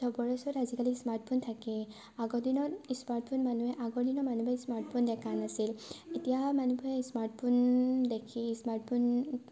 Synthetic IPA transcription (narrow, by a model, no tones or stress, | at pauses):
d̥ɔbɔɹɛsɔtazikalismaɹt̚pʰuntʰakɛ | aɡɔdinɔismaɹt̚pʰunmanuɛʔaɡɔdinɔmanubʱasmaɹt̚pʰundɛkʰanasiletijamanubɔɛsmaɹtpʰundekʰismaɹt̚pʰun